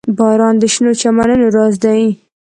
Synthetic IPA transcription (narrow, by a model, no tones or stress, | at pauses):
bɑɾɑnd̪əʃnot͡ʃamanənoɾɑzd̪aji